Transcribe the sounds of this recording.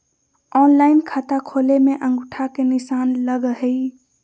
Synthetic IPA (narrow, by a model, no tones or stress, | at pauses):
ɔnlaɪnkʰat̪akʰolemeʔə̃ŋɡuʈʰakenisanləɡɦəj